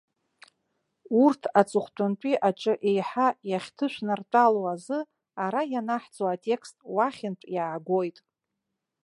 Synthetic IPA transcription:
urtʰat͡sʼɨχʷtʷʼʊnt͡pʷʼiʔaʈ͡ʂʼɨʔe̞jħajaχʲtʰɨʃʷʰnɨrtʼaloazɨ | aɾajanaħt͡soatʲʼe̞kʰstʼwaχʲɪntʷʼjaːɡʷojtʼ

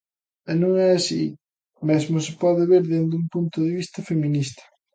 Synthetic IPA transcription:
ɛnõŋɛasi | mezmosɪpɔðɪβeɾðend̪umpunt̪oðeβist̪ɐfemĩnist̪ɐ̥

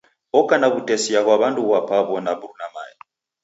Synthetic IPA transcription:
ɔkʼanaβutɛsiaɣwaβantʼuɣwapʰaβɔnabuɾunama̰ːja

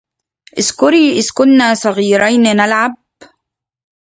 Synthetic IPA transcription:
ʔɪskʊɾiːʔɪðkʊnːaːsˤɑɣiːɾajnnalʕab̚

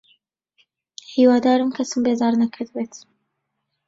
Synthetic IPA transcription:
hiːwaːd̪aːɾɨmkʰɐsɨmbeːzaːɾnɐkʰɨɾd̪beːt̪

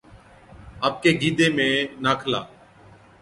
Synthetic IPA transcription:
aːp̚keːɡiːd̪eːmẽːnaːkʰla̰ː

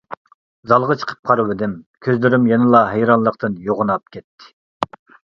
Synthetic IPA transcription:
zɑlˠʁɑt͡ʃʰə̥qʰə̥p̚qʰɑɾɨwɪd̪ɪmkʲʰøzlyɾymjɛnɨlˠɑɦejɾɑnlˠəq̚t̪ɨnjoʁʊnɑp̚kʲʰɛt̪ʰːɪ̥

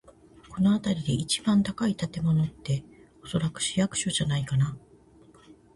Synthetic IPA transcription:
ko̞no̞at̪aɾʲid̪e̞it͡ɕi̥bãnt̪akait̪at̪e̞mo̞no̞t̪ːe̞ | o̞so̞ɾakɯ̟̥ɕijakɯ̟̥ɕo̞ʑanaikana

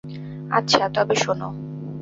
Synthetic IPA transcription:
a̰tːɕʰat̪ɔbeʃono̰

